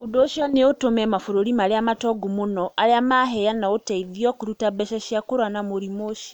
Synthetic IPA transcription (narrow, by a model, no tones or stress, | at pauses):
udoʃiɔneotomemafuɾoɾimaliamatoɡumunɔʔaliamaɦejanaoteiðjokuɾutabeʃaʃakuɾwanamuɾimoʃi̥